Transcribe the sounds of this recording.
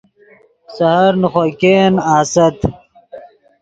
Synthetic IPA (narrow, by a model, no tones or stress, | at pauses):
sɐhɐɾnuχokeːnaːsɐt̪